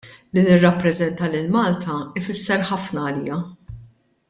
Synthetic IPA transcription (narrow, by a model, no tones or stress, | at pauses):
linɪrːɐpːɾɛzɛnt̪ɐlɪlmɐːlt̪ʰɐɪfɪsːɛɾħɐfnɐːliːjɐ